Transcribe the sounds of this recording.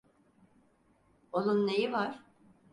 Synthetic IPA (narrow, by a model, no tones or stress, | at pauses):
olˠunːejivaɾ̥